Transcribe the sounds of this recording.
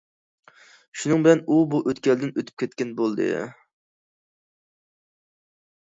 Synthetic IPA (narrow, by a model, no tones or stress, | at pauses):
ʃunɨŋbɪlɛnubuʔøt̪kʲɛld̪ɪnøt̪ʰy̥p̚kʲʰɛt̪̚ʲkʲɛnbolˠd̪ɨ̰